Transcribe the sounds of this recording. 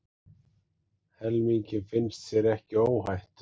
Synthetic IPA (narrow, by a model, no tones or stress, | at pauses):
hɛlmiɲcɪfɪnst̪sjɛɾɛhcɪoːwɦajht̪